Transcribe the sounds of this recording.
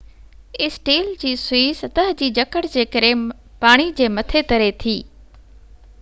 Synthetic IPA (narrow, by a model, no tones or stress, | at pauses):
ɪsʈiːld͡ʑiːsʊiːsɐt̪əɦd͡ʑiːd͡ʑɐkəʈd͡ʑeːkəɾẽ | paːɽ̃id͡ʑeːmɐt̪ʰet̪ɐɾet̪ʰiː